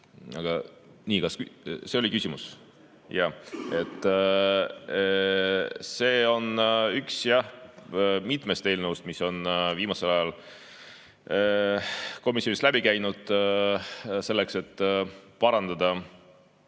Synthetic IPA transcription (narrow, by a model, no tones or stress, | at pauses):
ɑɡ̥ɑ | niːkɑskyse̞olikysʲimus | jɑe̞t̪ˑː | se̞ːo̞nyksjɑ | mit̪ˑme̞st̪eːlnəust̪miso̞nviːmɑse̞lɑjɑl | ko̞misjoist̪læbikæjnud̪̥ | se̞lːe̞kse̞t̪ːpɑɾɑnd̪̥ɑd̪̥ɑ